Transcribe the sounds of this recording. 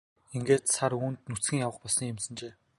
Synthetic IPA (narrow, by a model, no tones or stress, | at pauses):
eŋɡeːt̪saɾuːnt̪nut͡sɡʲiːŋjawə̆χpɔɮsniːkʊmsə̆nt͡ɕeː